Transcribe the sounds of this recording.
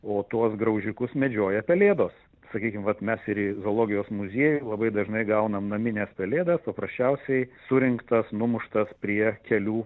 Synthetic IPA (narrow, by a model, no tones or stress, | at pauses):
oːt̪uɔsɡɾɐʊʒʲɪkʊsmʲɛd͡ʒʲoːjɛpʲɛlʲeːd̪oːs | sɐkʲiːkʲɪmʋɐt̪mʲɛsɪɾɪzoːlˠoːɡʲɪjoːsmʊzʲiɛjulˠɐbɐɪd̪ɐʒnɐɪɡɐʊnɐmnɐmʲɪnʲeːspʲɛlʲeːd̪ɐspɐpɾɐsʲt͡ʃʲɛʊsʲɛɪsʊɾʲɪŋkt̪ɐsnʊmʊʃt̪ɐspʲɾʲiɛkʲɛlʲuː